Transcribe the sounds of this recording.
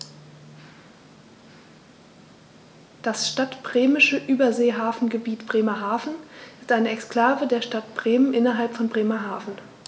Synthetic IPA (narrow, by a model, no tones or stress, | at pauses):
d̥asʃtatb̥ʁeːmɪʃəʔyːbɐzeːɦaːfn̩ɡəbiːtb̥ʁeːmɐɦaːfn̩ɪstʔaɪnəɛkskl̥aːvədeːɐʃtatb̥ʁeːmənʔɪnɐɦalpfɔnbʁeːmɐɦaːfn̩